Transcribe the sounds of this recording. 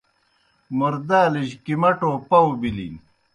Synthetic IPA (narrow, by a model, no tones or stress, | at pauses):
muɾd̪aːliʑkimɐʈoːpɐwbilḭn